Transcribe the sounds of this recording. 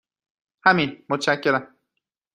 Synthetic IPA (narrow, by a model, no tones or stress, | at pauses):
hæminmot̪ʰʃæcʰːe̞ɾæm